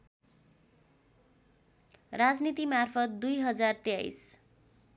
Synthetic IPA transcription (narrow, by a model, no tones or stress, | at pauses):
rad͡znit̪imarpʰʌt̪̚d̪ujɦʌd͡zart̪jajs